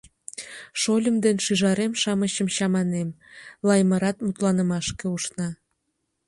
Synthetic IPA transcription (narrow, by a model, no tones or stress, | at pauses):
ʃolʲəmd̪enʃyʒɑɾemʃɑməɕəmɕɑmɑnem | lɑjməɾɑt̪mut̪lɑnəmɑʃkeuʃnɑ